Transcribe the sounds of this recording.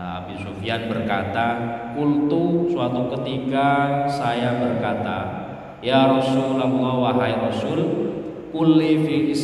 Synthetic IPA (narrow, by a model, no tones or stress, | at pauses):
a̰bisofianbərkat̪akult̪usuat̪ukət̪ikasajabərkat̪a̰ | jaɾɔsullambuŋawaɦaiɾɔsul | kulifiis